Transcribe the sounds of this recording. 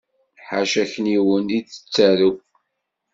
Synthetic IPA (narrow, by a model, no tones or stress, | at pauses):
ħaʃæçniwənit͡sːə̥t͡sːæɾu